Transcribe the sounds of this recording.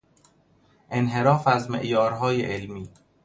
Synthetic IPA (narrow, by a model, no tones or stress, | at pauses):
ʔenɦe̞ɾɒːfæzmḛʔjɒːɾɦɒːjḛʔelmiː